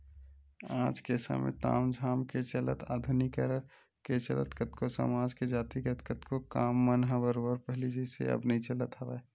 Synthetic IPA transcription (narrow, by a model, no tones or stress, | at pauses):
aːd͡ʒkesa̰mḛ̃t̪a̰ːmd͡ʒʱaːmket͡ʃələt̪ʰaːd̪ʱʊnikəɾəɾ | ket͡ʃə̰lə̰t̪kət̪kosə̰maːd͡ʒked͡ʒaːt̪ikət̪kət̪kʰokaːmːənɦabəɾobəɾpɛɦlid͡ʒesḛɐ̰bnɐɦĩt͡ʃələt̪aʋa